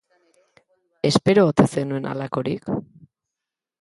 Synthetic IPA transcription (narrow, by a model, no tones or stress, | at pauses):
e̞spe̞ɾoːt̪esenue̞nʔa̰lako̞ɾik